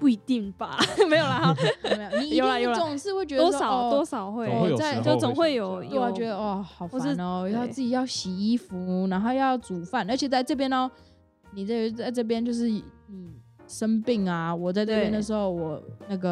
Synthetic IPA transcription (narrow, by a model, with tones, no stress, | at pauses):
pu˥˩i˧˥t̪i˥˩ŋba˨˩me˧˥ɪjo˨˩la˧˦˥me˧˥jo˨˩ni˨jo˧˦ljo˥˧˦lt͡sʊ˨˧˩ŋʂɻ̩˥˧we˥˩ɪt͡ɕɥɛ˧˥ɔ˥˩ʂɑ˨˦˥ɔ˥˩t̪wɔ˥sɑ˨˩˦ʊxwe˥˩ɪ˧˥t͡sa˥˩ɪ˥˩t͡sʊ˨˩ŋxwe˥˩ɪjo˨˦ʊwe˥˧wa˥˩t͡ɕɥɛ˧˥d̪ə˧wɔ˥˩xɑ˨˩˦ʊfa˥˧nɔ˧ɔ˨˩jɑ˥˧ʊt͡sɹ̩˥˩t͡ɕi˨˩jɑ˥˩ʊɕi˨˩i˥fu˧˦na˧˥nxo˥˧ʊjɑ˥˩ʊt͡su˨˩fa˥˩nə˞˧˥t͡ɕʰjɛ˨˩t͡sa˥˧ɪʈ͡ʂɤ˥˩pjɛ˥nə˧ | ni˨˩t͡sa˥˩ɛ˧˥ə˧t͡sa˥˧ɪʈ͡ʂɤ˥˩p̬jɛ˥nt͡ɕjo˥˧ʊʂɻ̩˥˩i˨˩ | ʂə˥npi˥˩ŋɐ˩wɔ˨˩t͡sa˥˧ɪʈ͡ʂɤ˥˧pjɛ˥nd̪ə˩ʂ̬ɻ̩˧xo˥˧ʊwɔ˨˩na˥˩ɡə˩